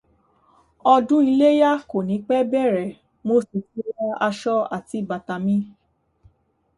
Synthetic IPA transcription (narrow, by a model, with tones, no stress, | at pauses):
ɔ˧dũ˦i˧le˦ja˦ko˨nĩ˨˦k͡pɛ˦bɛ˦˨ɾɛ˨ | mo˧˦si˨ti˦a˧a˧ʃɔ˦a̰˦˨ti˨˧˦ba˨ta˧mĩ˦